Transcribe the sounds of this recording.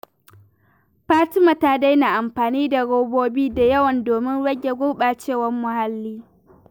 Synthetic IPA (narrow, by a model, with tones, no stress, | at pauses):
ɸaː˦ti˦mɐ˨taː˦da˦jna˨ʔa˨mɸaː˨niː˦da˨ɽoː˦boː˦biː˦da˨jɐ˦wɐ˨ndoː˨mɪ˦nɽɐ˦ɡʲe˨ɡʷʊ˦ɓaː˨t͡ʃeː˦˨wɐ˦mːʊ˨ha˦lːiː˦